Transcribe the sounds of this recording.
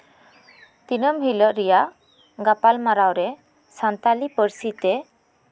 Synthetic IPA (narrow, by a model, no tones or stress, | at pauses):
t̪inəmɦiləʔɾɛjaʔ | ɡapalmaɾawɾɛ | sant̪alipəɾsit̪ɛ